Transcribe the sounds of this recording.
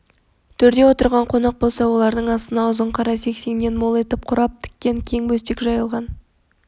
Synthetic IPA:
t̪ʰʏɾd̪e̞wo̞t̪əɾʁɑɴqʰo̞nɑq̚bo̞lˠsɑwo̞lˠɑɾd̪əɴɑst̪ənɑʊzəɴqʰɑɾɑse̞kse̞ŋne̞nmo̞lˠe̞t̪ɪp̚qʰʊɾɑp̚t̪ʰɪ̥kʲːe̞ŋkʲʰe̞ŋbɵst̪ekʲʒɑjəlˠʁɑn

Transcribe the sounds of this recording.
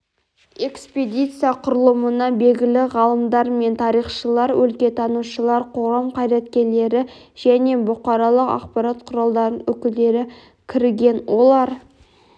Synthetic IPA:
e̞ksped̪ʲijt̪sɨjaqʰʊɾəlˠəmənɑbe̞lɡʲɪlɪʁɑlˠəmd̪ɑɾme̞nt̪ʰɑɾijχʃəlˠɑɾwɵ̰lkʲe̞t̪ʰɑnuʃəlˠɑɾqʰo̞ʁɑmqʰɑjɾæt̪kʲe̞ɾle̞ɾɪ | ʒ̥æne̞bʊqɑɾɑlˠəqɑ̰qpɑɾɑt̪qʰʊɾɑlˠd̪ɑɾənwɵkʲɪld̪e̞ɾɪ | kʲʰɪɾɡʲe̞nwo̞lˠɑɾ

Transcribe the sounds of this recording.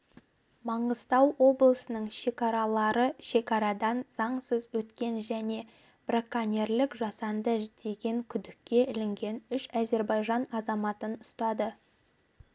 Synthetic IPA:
mɑɴəz̥t̪ɑwwo̞blˠəsənəɴʃe̞kɑɾɑlˠɑɾəʃe̞kɑɾɑd̪ɑnz̥ɑɴsəzwɵt̪kʲe̞nʒæne̞ | b̥rakːanʲerlɪkʒɑsɑnd̪əd̪̥e̞ɡʲe̞ŋkʲʰʏd̪ɪkʲːe̞ɪlɪŋɡʲe̞nʏʃæze̞ɾbɑjʒɑnɑzɑmɑt̪ənʊst̪ɑd̪ə

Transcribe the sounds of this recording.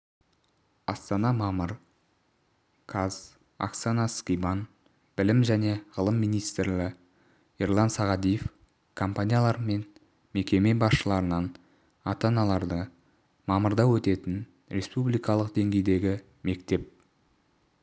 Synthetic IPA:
ɑst̪ɑnɑmɑməɾ | kʰaz̥ | a̰ksanɑskʲijban | b̥ɪlɪmʒæne̞ʁəlˠəmːijnijst̪rlɪ | erlˠɑnsɑʁɑd̪ijef | kʰompanʲijalˠɑɾme̞n | me̞kʲe̞me̞bɑsʃəlˠɑɾənɑn | ɑt̪ɑnɑlˠɑɾd̪ə | mɑməɾd̪ɑwɵt̪e̞t̪ɪn | ɾʲe̞spublijkɑlˠəqd̪e̞ŋɡʲe̞jd̪e̞ɡʲɪ | me̞kt̪e̞p̚

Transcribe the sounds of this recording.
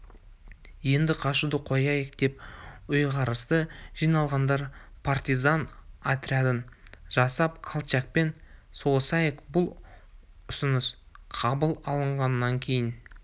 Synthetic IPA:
je̞nd̪ɪqʰɑʃud̪əqʰo̞jɑjɪk̚d̪̥e̞pʊjʁɑɾəst̪əʒijnɑlˠʁɑnd̪ɑɾpʰart̪ʲizanat̪ɾʲiad̪ənʒɑsɑp̚qʰalˠt͡ʃak̚pe̞nsosɑjekbʊlˠ | ʊsʊnəs | qʰɑbəlˠɑlˠəɴʁɑnːɑŋkʲʰe̞jɪn

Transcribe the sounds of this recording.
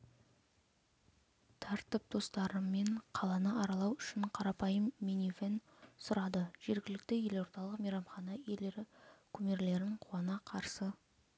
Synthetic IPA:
t̪ʰɑɾt̪əp̚d̪̥o̞st̪ɑɾəmːe̞ɴqʰɑlˠɑnəɑɾɑlˠɑwʏʃɪɴqʰɑɾɑpɑjəmːenʲiven | sʊɾɑd̪əʒ̥e̞ɾɡʲɪlɪk̚t̪ɪje̞lo̞ɾt̪ɑlˠəqmijɾɑmχɑnɑeleɾɪkʲʰɵme̞ɾle̞ɾɪɴqʰuɑnɑqʰɑɾsə

